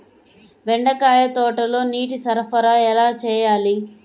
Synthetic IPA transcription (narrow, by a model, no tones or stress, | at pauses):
ʋɛɳɖɐkaːjɐt̪ɔːʈɐlo̞ːniːʈ̬isɐɾɐpɐɾaːɛlaːt͡ʃɛːjaːli